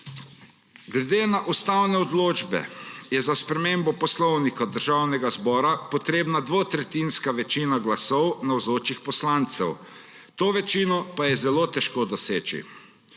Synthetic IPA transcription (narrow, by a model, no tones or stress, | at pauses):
ɡlɛd̪eːnaʔust̪awnɛɔd̪loːd͡ʒbɛ̰jɛzaspɾɛmembɔpɔslɔwnikad̪əɾʒawnɛɡazbɔːɾapɔt̪ɾeːbnad̪ʋot̪ɾɛt̪inskaʋɛt͡ʃiːnaɡlasɔwnawzoːt͡ʃixpɔslant̪sɛw | t̪oːʋɛt͡ʃiːnɔpajɛzɛloːt̪ɛʃkoːd̪ɔseːt͡ʃḭ